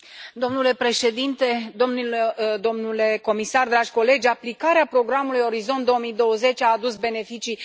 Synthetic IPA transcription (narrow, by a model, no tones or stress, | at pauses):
d̪o̞mnule̞pɾe̞ʃe̞d̪int̪e̞d̪o̞mnuld̪o̞mnule̞ko̞misard̪ɾaʒʲko̞le̞d͡ʒʲaplikaɾeapɾo̞ɡɾamulujo̞ɾizo̞nt̪d̪o̞omijd̪o̞wəze̞t͡ʃʲaːd̪usbe̞ne̞fit͡ʃi